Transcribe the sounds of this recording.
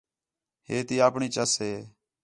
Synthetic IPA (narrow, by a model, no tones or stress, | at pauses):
heːt̪iːaːpɳiːt͡ʃəsɦeː